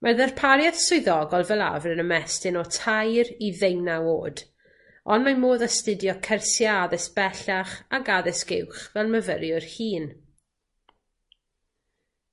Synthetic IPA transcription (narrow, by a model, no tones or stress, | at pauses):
mʔaðɛrpʰaɾjað̥sʊɨðɔɡɔlˠvɛlˠa̰vrənəmɛstɪnɔtʰajɾiðejnaoːd̥ | ɔnmamoːðastɨdjɔkʰɛrsjaaðɛsb̥ɛɬaχaɡaðɛsɡ̥ɪwχvɛlˠməvəɾjʊrhiːn